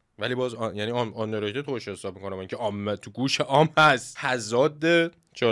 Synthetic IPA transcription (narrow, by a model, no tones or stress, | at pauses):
væliːbɒːzjæniɒnɒnːeɾet̪et̪ʰoeʃhesɒːb̚miko̞næmæŋkcʰeɒːmːet̪ʰuɡuːʃeʔɒːmhæst̪t̪ʰæzɒːd̪e | t͡ʃʰɒ